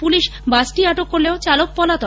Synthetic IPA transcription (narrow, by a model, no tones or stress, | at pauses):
puliʃbasʈiaʈokːoɾleot͡ɕalok̚pɔlat̪ɔ